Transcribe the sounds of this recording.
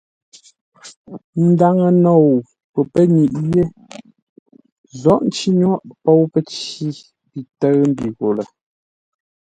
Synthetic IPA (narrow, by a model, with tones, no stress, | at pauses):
n̩˦da˦ŋə˨nɔ˨w | pə˨pə˦ɲi˨ʔje˦ | zɔ˦ʔn̩˦t͡ʃi˦ɲ˦ɔ˦ʔpɔ˦˨wpə˦t͡ʃi˦ | pi˨tə˦ɣm̩˦bi˨ɣo˨lə˨